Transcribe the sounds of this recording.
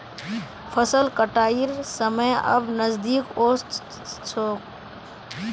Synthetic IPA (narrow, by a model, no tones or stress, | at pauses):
pʰəsəlkəʈaːiɾsəməjɐ̰bnəzd̪iːkoːst̪ | t͡ʃʰoːk